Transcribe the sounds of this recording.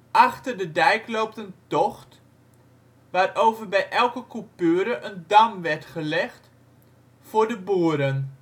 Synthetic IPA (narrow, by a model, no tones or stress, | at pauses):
ʔaχtərdədɛjklowp̚təntɔχt | ʋaːrowvərbɛjʔɛlˠkəkupøːɾəʔəndamʋɛrtχəlɛχt | fʊːɹdəboːɾən